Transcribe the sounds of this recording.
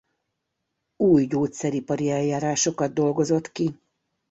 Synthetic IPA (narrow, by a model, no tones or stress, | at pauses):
uːjɟoːt̪sɛɾipɒɾiɛjjaːɾaːʃo̞kɒd̪̚d̪o̞lɡo̞zo̞t̪ki